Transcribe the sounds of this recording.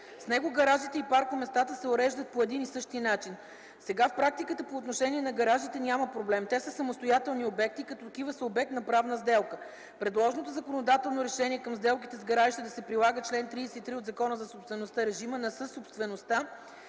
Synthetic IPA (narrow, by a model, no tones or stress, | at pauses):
snɛɡoɡɐɾaʒit̪ɛipaɾkomɛst̪at̪əsɛoɾɛʒd̪ət̪̚poɛd̪inisɤʃt̪inat͡ʃin | sɛɡafpɾak̚t̪ikət̪əpoːt̪noʃɛniɛnɐɡɐɾaʒit̪ɛnʲaməpɾoblɛmt̪ɛsəsɐmost̪ojat̪ɛlˠniobɛk̚t̪ikɐt̪ɔt̪ɐkivəsəobɛk̚t̪nɐpɾavnəzd̪ɛlˠkə | pɾɛd̪lˠɔʒnot̪ozɐkonod̪at̪ɛlˠnoɾɛʃɛniɛkɐmzd̪ɛlˠk̬it̪ɛzɡɐɾaʒit̪ɛd̪ɐsɛpɾilˠaɡət͡ʃlɛnt̪ɾisɛit̪ɾiod̪zɐkɔnəzɐsopst̪vɛnost̪aɾɛʒimənɐsəsopst̪vɛnost̪a